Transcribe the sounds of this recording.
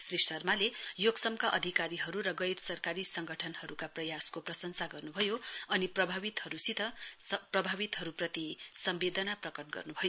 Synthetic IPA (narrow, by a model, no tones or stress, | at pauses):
srisʌrmalejoɡsʌmkaʔʌd̪ʱikaɾiɦʌɾuɾʌɡʌjrsʌrkaɾisʌŋɡʱʌʈʰʌnhʌɾukaprʌjaskoprʌsʌnsaɡʌrnubʱʌjoʌniprʌbʱabit̪hʌɾusit̪ʌprʌbʱabit̪ɦʌɾuprʌt̪isʌmbed̪ʱʌnaprʌkʌʈ̚ɡʌ̰rnubʱʌjo